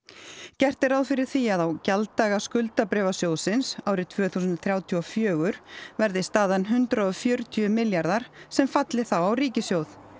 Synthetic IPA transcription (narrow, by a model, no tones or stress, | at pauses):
cɛr̥t̪ɪɾawðfɪɾɪɾ̥θiaðawcalt̪ːaːɣaskʏlt̪apɾɛːvasjoːwðsɪnsaːwɾɪt̪ʰv̥œːθuːsʏnt̪θɾjaːwt̪ʰyɔfjœːɣʏɾ̥vɛɾðɪst̪aːðanɦʏnt̪ɾaɔfjœːɾʏt̪ʰyʏmɪljaɾðaɾ̥sɛmfat̪lɪθawawriːcɪsjowθ